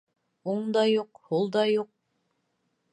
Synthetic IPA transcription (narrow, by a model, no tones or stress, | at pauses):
uɴd̪ɑjuqhulˠd̪ɑjuq̚